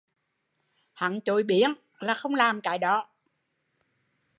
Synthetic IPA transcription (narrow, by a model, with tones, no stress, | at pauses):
ha̰˧˨ŋt͡ɕo˨˦jɓi˨˦ən | laː˨˩xə˧wŋ͡mlaː˨˩mka̰ː˨˦jɗɔ˨˦